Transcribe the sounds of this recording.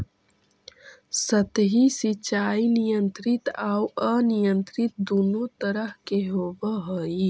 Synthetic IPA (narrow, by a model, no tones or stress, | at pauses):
sət̪ɦisit͡ʃaːinijə̃nt̪ɾɪt̪aːwənijə̃nt̪ɾɪt̪̚d̪uːnot̪əɾəɦkeɦoːbəɦoːi